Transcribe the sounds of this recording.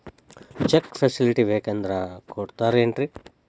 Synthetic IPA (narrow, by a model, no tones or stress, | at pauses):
t͡ʃekpʰesiliʈiʋeːkend̪ɾakoːɽt̪aːɾeːɳʈɾi